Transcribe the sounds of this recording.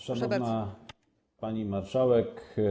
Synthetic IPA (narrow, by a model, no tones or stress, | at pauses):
ʂanɔvna | paɲimaɾʂawɛk